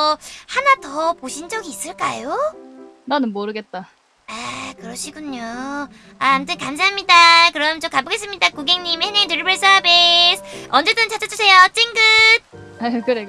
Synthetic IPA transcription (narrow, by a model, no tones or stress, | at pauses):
hanatʌpoɕʰind͡ʑʌɡiːs͈ɯɭk͈a̰jo | nanɯnmoɾɯɡe̞t̚t͈a | akɯɾʌɕʰiɡuɲːo | aamtʰɯnkams̬ʰaɦamɲidakɯɾʌmt͡ɕokaboɡe̞s͈ɯmɲidakuɡeŋɲimhenetɯɾibɯɭs͈ʌbisʰʌnd͡ʑe̞d͈ɯnt͡ɕat͡ɕ͈ʰad͡ʑusʰe̞jot͡ɕ͈iŋɡɯd̚ | akɯɾe